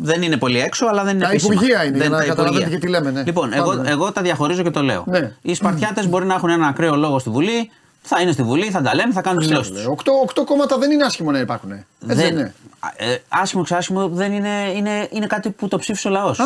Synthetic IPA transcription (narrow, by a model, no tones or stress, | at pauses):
ðe̞nine̞po̞lieksoɐlɐðenineɐispuɾʝiɐineeɐipuɾʝiɐt̪ɐt̪ilemenelipo̞neɣoeɣo̞t̪ɐðʝɐxo̞ɾizo̞ce̞t̪o̞le̞̰o̞̰neispɐɾt̪çɐt̪e̞zbo̞ɾinɐexunenɐnɐkɾeo̞lo̞ɣo̞st̪ivuli | θɐinest̪ivuliθɐd̪ɐle̞meθɐkɐnunt̪izðilo̞ssttusokt̪oːkt̪oko̞mɐt̪ɐðe̞nineɐsçimonɐipɐɾxuneðene | ɐsçimoksɐsçimuðe̞nine̞ine̞ine̞kɐt̪iput̪o̞psifiseo̞lɐo̞s